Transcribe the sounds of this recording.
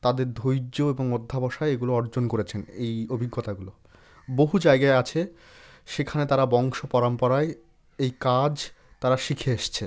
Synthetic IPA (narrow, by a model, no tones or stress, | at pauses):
t̪ad̪eɾd̪ʱojd͡ʑoeboŋod̪ʱːabɔʃaeeɡuloɔɾd͡ʑonkoɾet͡ɕʰenejobʱiɡːot̪aɡulo | boɦud͡ʑajɡaeat͡ɕʰe | ʃekʰanet̪aɾabɔŋʃopɔɾampɔɾae | ejkad͡ʑ | t̪aɾaʃikʰeeʃt͡ɕʰe